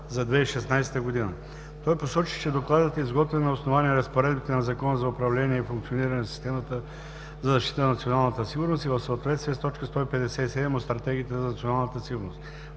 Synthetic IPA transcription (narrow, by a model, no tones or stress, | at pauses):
zɐd̪vɛiʃɛsnajsɛ̥t̪əɡod̪inə̰ | t̪ɔjposɔt͡ʃi̥t͡ʃɛd̪oklˠad̪ət̪ɛizɡɔt̪vɛnɐosnovaniɾəspoɾɛd̪bit̪ɛnɐzɐkɔnəzɐʊpɾɐvlɛniɛifuŋkt̪sioniɾɐnɛnɐsi̥st̪ɛmət̪ə | zɐzɐʃt̪i̥t̪ənnɐt̪sionalˠnət̪əsiɡʊɾnost̪ivɐfsəoːt̪vɛt̪st̪vʲiɛst̪ɔt͡ʃkəst̪ɔipɛd̪ɛsɛisɛd̪ɛmot̪st̪ɾɐt̪ɛɡʲiːt̪ɛzɐnɐt̪sionalˠnət̪əsiɡʊɾnost̪